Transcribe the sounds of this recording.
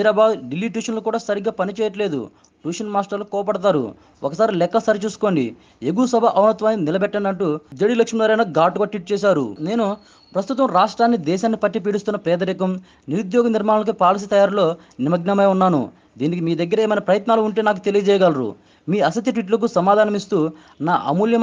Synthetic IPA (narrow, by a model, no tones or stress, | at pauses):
ɐɾaːbaːd̪ɖilːiːʈ̬uːʂɐnlukuːɽaːsɐɾiɡːaːpɐnit͡ʃɛːjɐʈle̞ːd̪ṵ | ʈuːʂɐnmaːsʈɐɾlukɔːɐpɐɽɐt̪̬aːɾṵ | ɔkɐsaːɾilɛkːɐsaːɾit͡ʃuːsu̥ko̞ːɳɖḭ | eɡusɐbʱɐʔɐwnɐt̪ʋaːnːinilɐbɛʈːɐɳdɐɳʈud͡ʒ̪ɐɽilɐkʂmilaːɾɐjnɐɡaːʈuɡaːʈʋiʈ̚t͡ʃɛːʃ̬aːɾṵne̞ːnu | pɾɐst̪ut̪ɐmɾaːʂʈɾaːnːid̪ɛːʃaːnːipɐʈːip̬iːɽust̪unːɐpɾɛːd̪ɐɾikɐm | niɾud̪jɔːɡɐniɾmaːɳɐlɐk̬upaːlɐs̬it̪ɐjaːɾlo̞ː | nimɐɡnɐmɐjunːaːnṵ | d̪iːnik̬imiːd̪ɐɡːɐɾɐeːmɐjnɐpɾɐjɐt̪naːluːɳʈe̞ːnaːk̬ut̪e̞lijɐd͡ʒɛːjɐɡalɾṵ | miːɐsɐt̪ːiʈʋiʈ̬lɐk̬usɐmaːd̪ʱaːnɐmist̪uː | naːʔɐmuljɐm